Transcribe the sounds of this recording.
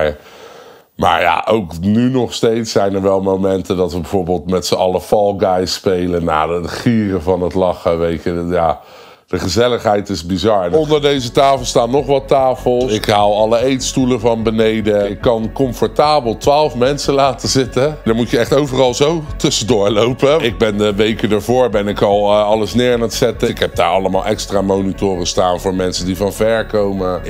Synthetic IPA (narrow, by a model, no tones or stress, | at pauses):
ma̰ːɹja̰ʔowknynɔχstejtsɛjnəɹʋɛlˠmowmɛntədɑtʋəbɛv̥oːɹbeːlˠtmɛtsəɑləfɑlˠɡajspejləna̰ːətχiːrəvɑnətlɑχəʋejtəjaː | d̥əχəzɛləχɦɛjtɪzbizɑɹɔnndəɹdejzətaːfəlˠstaːnnɔχʋɑtaːfəlˠsɪkɦawɑləejtstuləvɑnbənejdəɪkːɑnkɔɱfɔɹtaːbəlˠtʋaːlˠfmɛnsəlaːtəzɪtədaːɹmutjəɛχtowvərɑlˠzowtɵsədʊːɹlowpəɪɡ̚bɛndəʋejkədaɹvʊːɹbɛnɪkɑlˠɑləsnɪːɹanətsɛtəkɦɛp̚da̰ːɹɑ̰ləma̰ːlˠʔɛkstraːmownitʊːrəstaːnvʊːɹmɛnsəndivɑnvɛɹkowmə